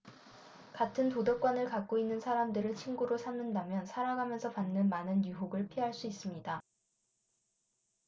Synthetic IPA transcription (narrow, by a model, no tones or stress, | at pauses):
katʰɯntodʌk͈wanɯɭkak̚k͈oinːɯnsʰaɾamdɯɾɯɭt͡ɕʰinɡuɾosʰamɯndamjʌnsʰaɾaŋɡɦamjʌnsʰʌpanːɯnmanɯnjuɦoɡɯɭpʰiɦaɭs͈uis͈ɯmɲida